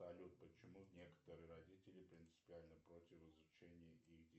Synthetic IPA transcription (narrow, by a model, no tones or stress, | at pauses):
ɐlʲut̪̚pət͡ɕɪmunʲekə̥t̪əɾɨjəɾɐdʲitʲɪlʲɪpɾʲɪnt̪sɨ̥pʲɪalʲnəpɾotʲɪfɪzʊt͡ɕenʲɪjəʔixdʲ